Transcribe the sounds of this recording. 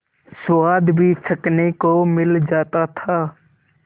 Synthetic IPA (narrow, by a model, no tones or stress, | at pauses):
swaːd̪bʱit͡ʃʰəknekomɪld͡ʒaːt̪at̪ʰaː